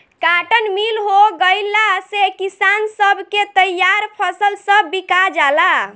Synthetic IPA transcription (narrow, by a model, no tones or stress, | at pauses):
kaʈənmilɦoɡəjlasekisansəbʱket̪əjaɾpʰəsəlsə̃bikad͡ʒala